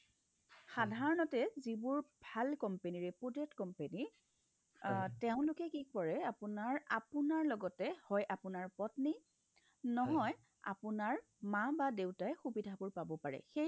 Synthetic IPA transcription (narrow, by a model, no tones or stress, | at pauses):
xadʱaɹɔnɔtɛzibʊɹbʱalkɔmpeniɹɛpudetkɔmpeni | tɛʊ̃lʊkɛkik̚pɔɹɛapʊnaɹapʊnaɹlɔɡɔtɛhɔjʔapʊnaɹpɔtni | nɔɦɔj | a̰pʊnaɹ | mãbadewtaɛxubidʱabʊɹpabɔpaɹɛ̰xej